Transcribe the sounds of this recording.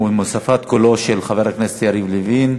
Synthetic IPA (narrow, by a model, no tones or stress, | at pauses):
umosafat̪̚koloʃelχaveɾhakneset̪jaɾivlivin